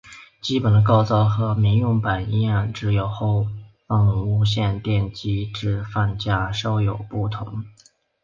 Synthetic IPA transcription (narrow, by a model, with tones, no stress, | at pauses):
t͡ɕi˥pə˨˩d̪ə˦˧kɑ˥˧ʊt͡sɑ˥˩ʊxɤ˧˥mi˧˥ŋjʊ˥˩ŋpa˨˩ni˥˧a˥˩nʈ͡ʂɻ̩˧˥jo˧˥ʊxo˥˧ʊfɑ˥˩ŋu˥˧ɕ̬jɛ˥˧nt̪jɛ˥˩nt͡ɕi˥ʈ͡ʂɻ̩˥˧fa˥˧nt͡ɕja˥ʂo˥ʊjo˨˩ʊpu˥˩t̪ʰʊ̰˧˥ŋ